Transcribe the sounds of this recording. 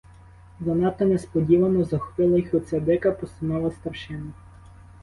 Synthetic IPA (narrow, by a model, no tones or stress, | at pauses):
zɐnɑt̪ɔnɛspɔdʲiʋɐmɔzɐxʋɪlˠɐjxɔsʲed̪ɪkɐpɔsɪnɔʋɐst̪ɐrʃɪnɐ